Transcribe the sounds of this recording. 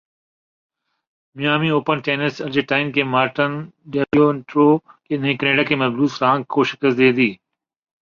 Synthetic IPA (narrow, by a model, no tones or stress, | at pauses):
mɪjaːmiːoːpənʈeːnɪsɐɾd͡ʒeʈaːɪnkeːmaːɾʈənɖeːɾioːɳʈɾoːkeːnẽːkəneːɖakʰeːmɐzbuːt̪ɾãːŋɡkʰoːʃɪkəsd̪eːd̪iː